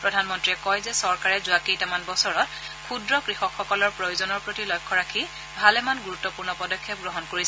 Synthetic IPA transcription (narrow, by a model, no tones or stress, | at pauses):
pɹɔdʱanmɔntɹiɛkɔjzɛsɔɹkaɹɛzʊakejtamanbɔsɔɹɔt | kʰudɹɔkɹixɔkxːɔkɔlɔɹpɹojozɔnɔɹpɹotilɔjkʰːɔɹakʰi | bʱalɛmanɡuɹutːɔpuɹnɔpɔdɔkʰːjɛp̚ɡɹɔɦɔnkoɹisɛ